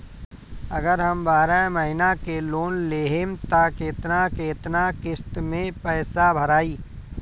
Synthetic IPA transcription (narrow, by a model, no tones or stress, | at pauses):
ɐɡəɾɦɐmbaːɾamɐɦɪnakeloːnleːɦemt̪akeːt̪nakeːt̪nakɪst̪mẽpɛːsabʱəɾaːiː